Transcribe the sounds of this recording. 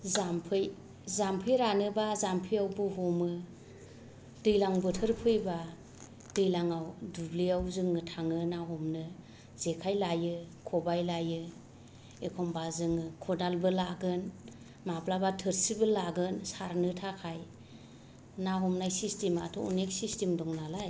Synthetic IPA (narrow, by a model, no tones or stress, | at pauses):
zampʰɯj | zampʰɯjɾanɯbazampʰijawbɯɦɔmɯ | d̥ɯjlaŋbɯtʰɯɾpʰɯjba | d̥ɯjlaŋawdubliawzɯŋɯtʰaŋɯnaɦɔmnɯ | z̥ekʰajlajɯkʰɔbajlajɯ | ekʰɔmbazɯŋɯkʰɔdalbɯlaɡɯn | maplabatʰɯɾsibɯlːaɡɯnsaɾnɯtʰakʰaj | naɦɔmnajsistema̰tʰɔṵnek̚sistemdɔŋnalaj